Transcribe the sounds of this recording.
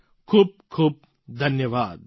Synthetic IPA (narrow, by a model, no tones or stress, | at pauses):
kʰuːb̚kʰuːb̚ | d̪ʱɐnjəʋaːd̪